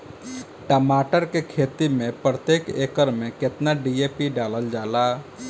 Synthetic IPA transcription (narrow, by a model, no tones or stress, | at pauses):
ʈəmaːʈəɾkekʰet̪imẽpɾət̪eːkḛkəɾmẽket̪naɖiepiɖaləld͡ʒaːla